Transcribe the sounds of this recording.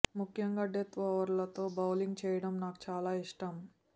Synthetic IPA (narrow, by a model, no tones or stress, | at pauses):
mukʰjɐŋɡɐɖet̪ʋɐʋɐɾlɐt̪oːbɐwliŋɡ̚t͡ʃɛːjɐɽɐmnaːkt͡ʃaːlaːiʂʈɐm